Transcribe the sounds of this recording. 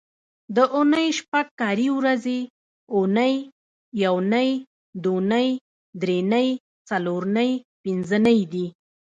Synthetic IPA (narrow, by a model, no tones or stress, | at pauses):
d̪əʔʊnəjʃpaɡ̚kɑɾiwɾaze | ʊnəjː | awnəj | d̪onəj | d̪ɾenəj | t͡saloɾnəjpɪnzənəjd̪i